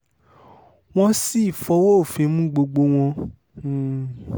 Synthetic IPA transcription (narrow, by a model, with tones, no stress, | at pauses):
w̃ɔ̃˧si˦i˦˨fɔ˧wo˦o˦˨fĩ˧˦mũ˦ɡ͡bo˧ɡ͡bo˧w̃ɔ̃˧˨